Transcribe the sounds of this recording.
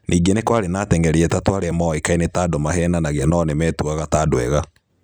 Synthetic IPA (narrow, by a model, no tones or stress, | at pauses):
nʔiːɡenekwaɾenaːtɛŋɡɛɾiɛtatwaɾeɛmɔekainetaːdɔmaɦɛnanaɣɛnɔnemɛtuaɣataːdwɛ̰ɣa